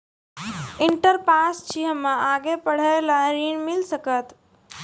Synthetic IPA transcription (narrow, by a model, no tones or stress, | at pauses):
ɪɳʈəɾpaːst͡ʃiɦəmãaːɡepəɽ̤əelaɾiːnmɪlsəkət̪